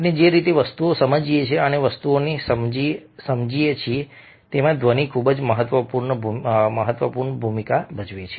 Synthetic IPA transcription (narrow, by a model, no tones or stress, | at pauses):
ned͡ʒeɾit̪eʋəst̪uosəməd͡ʒiet͡ʃʰeəneʋəst̪uonesəmd͡ʒisəmd͡ʒiet͡ʃʰie | t̪emãd̪ʋənikʰubəd͡ʒməɦət̪ʋəpuɾɳəbʱməɦət̪ʋəpuɾɳbʱumikabəd͡ʒʋet͡ʃʰe